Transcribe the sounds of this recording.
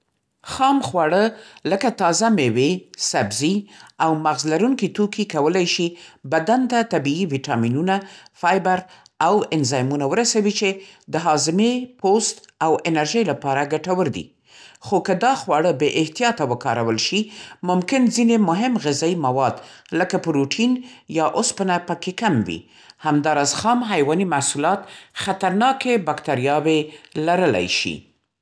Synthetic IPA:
xɑmxwɑɽələkat̪ɑzamewesabziawmaɣzlaɾuŋkit̪okikawəlajʃibad̪ant̪at̪abiiwiʈɑminunafɑjbaɾ | awɪnzɑjmunawəɾasawit͡ʃed̪əɦɑzɪmepost̪awɪnaɾʒəjlapɑɾaɡaʈawəɾd̪ḭ | xokəd̪ɑxwɑɽəbeʔɪht̪ijɑt̪awəkɑ̰ɾawəlʃimʊmkɪnzinemʊɦɪmɣɪzɑimawɑd̪ | ləkapəɾuʈʰinjɑʔʊspənapəkekamwḭ | hamd̪ɑɾɑzxɑmɦajwɑnimasulɑt̪xat̪aɾnɑkebakt̪aɾijɑwelaɾəla̰jʃḭ

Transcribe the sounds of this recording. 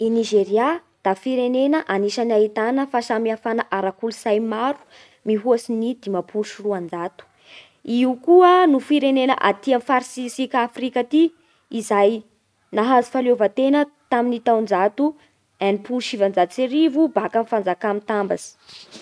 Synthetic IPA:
iniʒeɾia | d̪̥afiɾenenəʔaniʃanait̪anəfasamiafanəʔaɾakulusajmaɾu̥ | miɦuasinid̪̥imapʰuluʃiruand͡zat̪u̥ | iukuənufiɾenenə̰ʔa̰t̪iamfaɾsisikafrikat̪i | izaj | naɦazu̥faliovət̪enət̪aminit̪awnd͡zat̪u | anipulʃivand͡zaseɾivubakanfand͡zakamint̪amba̰z̥i̥

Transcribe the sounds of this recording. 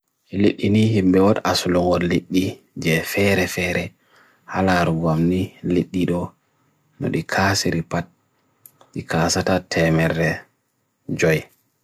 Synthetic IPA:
ʔɛleɗːinihimbɛwɔɗasulɔŋɔleɗːi | d͡ʒɛfɛɾɛfɛːɾɛ | halaɾuɡamnileɗːiɗɔ | nɔ̰ɗikʰasiɾipat̚ | ɗikʰaːsatatʰɛmɛrɛ | d͡ʒɔj

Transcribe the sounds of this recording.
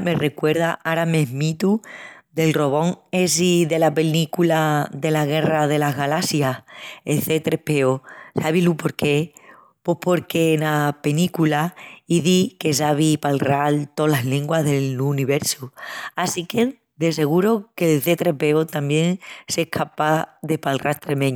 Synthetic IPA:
me̞re̞kwe̞ɾð̞aʔaɾame̞ɦmit̪ud̪e̞lro̞β̞o̞ŋe̞siðe̞lape̞likulaðe̞laɣ̞e̞raðe̞laɦɣalasjaelθe̞t̪ɾe̞hpe̞osaβilupo̞ɾke̞ | po̞hpʰo̞ɾke̞nape̞nikulaiðike̞saβ̞ipalralt̪o̞laɦleŋɡwaɦðe̞luniβe̞ɾsuasike̞ | d̪e̞se̞ɣ̞uɾo̞kelθe̞t̪ɾepe̞ot̪ambjẽ̞ŋsehkʰapaðe̞palrʔalt̪ɾe̞mẽɲ

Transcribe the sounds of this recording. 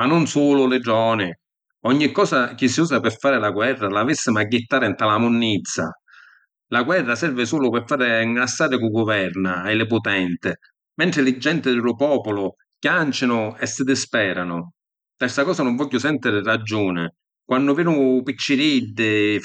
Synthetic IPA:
manːʊnsuːlʊlɪɖɔːnɪ | ɔɲːikːɔːsak̟isːiuːsapɪɾfːaːɾɪlaɡwɛrːalavisːɪmaɡːɪt̪ːaːɾɪnt̪alamʊnːit̪sːa̰ | laɡwɛrːasɛrvɪsuːlʊpɪɾfːaːɾɪŋast̪aːd̪ɪkuɡʊvɛrnaajlɪpʊt̪ɛnt̪ɪ | mɛnt̪ɾɪlɪd͡ʒːɛnt̪ɪd̪ɪlʊpɔːpʊlʊ | kjant͡ʃɪnʊɛsːɪd̪ɪspɛːɾanʊ | t̪ɛsakɔːsanʊɱvɔʎːʊsɛnt̪ɪɾɪrad͡ʒːuːnɪ | kwanːʊvɛːnʊpit͡ʃːɪɾid̪ːɪ

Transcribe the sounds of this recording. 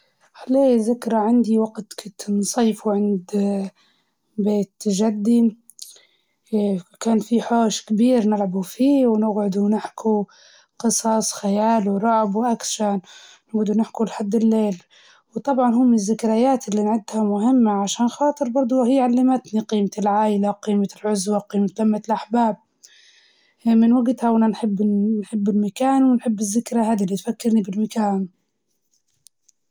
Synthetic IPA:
haleːzɪkɾˤaʕɪnd̪iwaɡt̪kʊt̪nsˤɑːfuʕɪnd̪ | beːt̪ːʒad̪ːi | kaːnfiħoːʃkbiːɾnɪlʕabufiːwnɪɡʕʊd̪unɪħkʰu | qɨsˤɑsˤxajaːlwɾˤɑʕbwʔakʃannʊɡd̪unɪħkulħad̪ːɪlːeːl | wt̪ˤɑbʕɑnɦuːmɪnɪzːɪkɾajaːt̪ɪlːinʕɪd̪hamʊɦɪmːaʕaʃaːnxɑːt̪ˤɨɾˤbɑɾˤd̪ˤuhiːʕalːamat̪niqiːmat̪ɪlʕaːʔɪlaqiːmalʕʊzwaqiːmat̪lamːat̪lʔaħbaːb̚ | mɪnwaɡt̪hawʔananħɪbːnħɪbːɪlmakaːnwɪnħɪbːɪzːɪkɾaɦaːd̪ilːit̪fakːɪɾnibɪlmakaːn

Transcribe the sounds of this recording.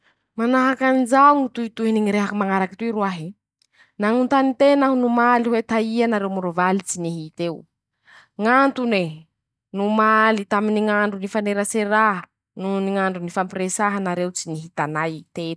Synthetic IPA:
manaɦakand͡ʒauŋit̪uit̪uɦiniŋiɾeɦakimaŋaɾaki̥t̪uiɾuaɦi | naŋunt̪anit̪enaɦunumaliwet̪aianaɾewmuɾuvalit͡siniɦit̪ew | ŋant̪une | numalit̪aminiŋaɳɖ͡ʐunifaneɾaseɾaɦə | nuniŋaɳɖ͡ʐunifampɾesaɦanaɾewt͡siniɦit̪anajt̪e̥

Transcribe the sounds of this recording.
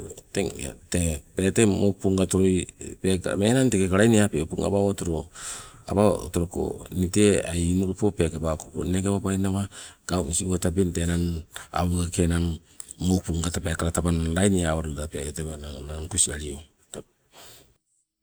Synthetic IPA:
teŋ̰tepetemopuŋɡatoɾojpekmenantekekaɾajniapeopuŋa̰baotoɾoa̰bao̰toɾoko̰nitea̰jnoɾopopekebakoko̰nekeβabajnaβaɡ̥awisiŋɡotabintenana̰βuɡakenaŋː | opuŋɡatapekaɾatabanɾajniaβaɾodapeaetebananankusiaɾio | ta

